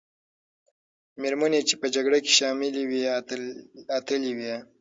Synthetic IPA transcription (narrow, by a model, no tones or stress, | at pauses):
meɾmənet͡ʃepəd͡ʒaɡɽake̥ʃɑmɪliwi | at̪əliwia